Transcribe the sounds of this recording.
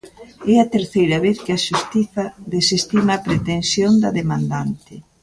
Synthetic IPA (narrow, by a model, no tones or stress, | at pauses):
ɛɐt̪eɾθejɾɐβeθkɪɐʃust̪iθɐðesist̪imɐːpɾet̪ensjond̪ɐðemãnd̪ant̪ɪ